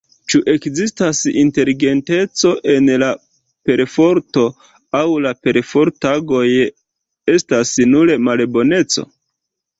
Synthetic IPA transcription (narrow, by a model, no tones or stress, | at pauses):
t͡ʃuʔe̞kzistasḭnte̞liɡe̞nte̞t͡so̞ʔe̞nla | pe̞ɾfo̞ɾto̞ | awlape̞ɾfo̞ɾtaɡo̞j | e̞stasnuɾe̞malbo̞ne̞t͡so̞̰